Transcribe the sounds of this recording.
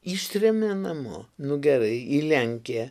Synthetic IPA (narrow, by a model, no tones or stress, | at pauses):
iːʃʲt̪ʲɾʲɛmʲeːnɐmo̰ːnʊɡʲɛɾɐɪilʲæŋʲkʲejɛ